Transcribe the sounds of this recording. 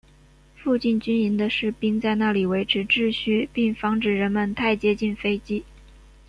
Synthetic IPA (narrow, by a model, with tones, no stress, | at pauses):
fu˥˧t͡ɕi˥˩nt͡ɕy˥ni˧˥nd̪ə˧ʂɻ̩˥˩pi˥ŋt͡sa˥˧ɪna˥˩li˨˩we˧˥ɪʈ͡ʂʰɻ̩˧˥ʈ͡ʂɻ̩˥˧ɕy˥˩pi˥˩ŋfɑ˧˥ŋʈ͡ʂɻ̩˨˩ɻə˧˥nmə˧nt̪ʰa˥˩ɪt͡ɕjɛ˥t͡ɕi˥˩nfe˥ɪt͡ɕi˥